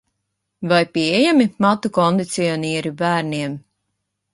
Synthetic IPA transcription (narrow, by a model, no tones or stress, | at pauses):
vajpiejamimat̪ukɔnd̪it̪siɔniɛɾibæːɾniɛm